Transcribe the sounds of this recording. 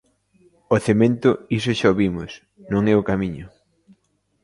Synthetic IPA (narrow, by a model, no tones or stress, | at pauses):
oθemẽnt̪ʊisʊʃaoβimʊs | nõŋɛokamiɲʊ